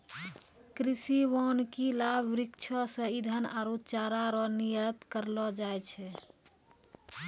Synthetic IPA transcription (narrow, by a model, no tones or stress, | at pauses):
kɾisiʋɔnkilabɾikt͡ʃʰəsə̃id̪ʱənaɾot͡ʃaɾaɾɔniəɾət̪kəɾlɔd͡ʒajt͡ʃʰɛ